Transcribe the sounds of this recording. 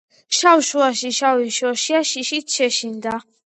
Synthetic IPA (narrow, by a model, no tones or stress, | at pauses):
ʃawʃuaʃiʃawiʃɔʃiaʃiʃitʃʰɛʃind̪a